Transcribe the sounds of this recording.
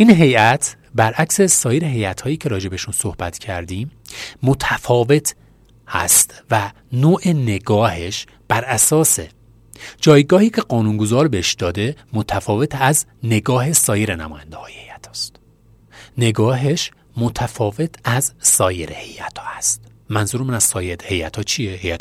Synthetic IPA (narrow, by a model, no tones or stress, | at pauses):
ʔiːnɦe̞jæt̪ʰ | bæɾʔækse̞sɒːjeɾeɦe̞jæt̪ʰhɒːjiːcʰe̞ɾɒːd͡ʒe̞beʃunso̞hbæt̪cʰæ̰ɾd̪iːmːot̪ʰæfɒːve̞t̪ʰ | hæ̰st̪væ | noːʔene̞ɡɒːhe̞ʃ | b̥æɾʔæsɒːse̞ | d͡ʒɒːjɡɒːhiːcʰe̞ɢɒːnunɡo̞zɒːɾbeeʃd̪ɒːd̪e̞mot̪ʰæfɒːve̞t̪ʰæzne̞ɡɒːɦe̞sɒːje̞ɾenæmɒ̰ːjænd̪ehɒːjehejæt̪ʰɒ̥ːst̪ | ne̞ɡɒːɦe̞ʃ | mo̞t̪ʰæfɒːve̞t̪ʰæzsɒːjeɾehe̞jæt̪ʰɒ̥ːæst̪mænzuːɾmænæz̥sɒːjeɾhe̞jæt̪ʰɒːt͡ʃʰijehejæt̪ʰ